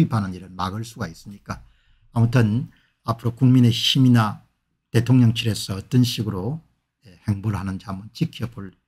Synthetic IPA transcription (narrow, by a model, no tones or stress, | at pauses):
ibanɯniɾɯɭmaɡɯɭs͈uɡais͈ɯmɲik͈a | amutʰɯn | apʰɯɾokuŋmine̞ɕʰimina | te̞tʰoŋɲʌŋt͡ɕʰiɾe̞sʰʌʌt͈ʌnɕʰiɡɯɾo | ehe̞ŋbuɭɦanɯnt͡ɕamɯnt͡ɕikʰijʌboɭ